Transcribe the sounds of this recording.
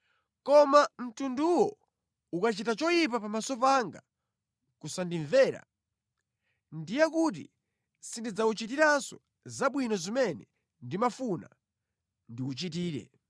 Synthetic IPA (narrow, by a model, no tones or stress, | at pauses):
kɔmam̩tunduwɔ | ukat͡ʃitat͡ʃɔjip̬apamasɔp̬aŋɡa | kusandiɱvɛːɾa̰ | ndijakut̬ḭ | sindid͡zaut͡ʃitiɾansɔ | zaɓwinɔzimɛnɛ | ndimafuna̰ | ndiut͡ʃit̬iːɾɛ̰